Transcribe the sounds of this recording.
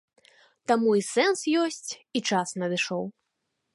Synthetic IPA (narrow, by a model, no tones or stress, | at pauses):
t̪amuisɛnsjɔsʲt͡sʲit͡ʂasnɐd̪ɨʂɔw